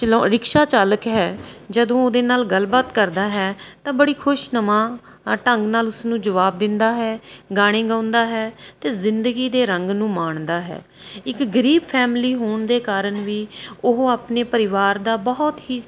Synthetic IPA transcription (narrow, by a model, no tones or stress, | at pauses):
t͡ʃəɾɪkʃaːt͡ʃaːləkɦɛːd͡ʒəd̪õːoːd̪eːnaːlɡəlbaːt̪kəɾd̪aːɦɛːt̪ãːbəɽiːkʰʊʃnəmãː | ʈəŋɡnaːlʊsnũːd͡ʒəʋaːb̚d̪ɪnd̪aːɦɛːɡaːɽ̃eːɡãːʊ̃nd̪aːɦɛːt̪eːzɪnd̪əɡiːd̪eːɾəŋɡnũːmaːɳd̪aːɦɛ̰ː | ɪkɡəɾiːbpʰɛːmliːɦoːɳd̪eːkaːɾəɳʋiːʊɦaːpneːpəɾɪʋaːɾd̪aːbɔːt̪ɦiː